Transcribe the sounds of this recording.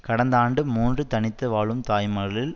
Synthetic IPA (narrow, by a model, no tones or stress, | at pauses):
kɐɽɐnd̪aːɳɖɯmuːndrɯt̪ɐnɪt̪ːɯʋaːɭɯmt̪aːjmɐɾɐɭɪl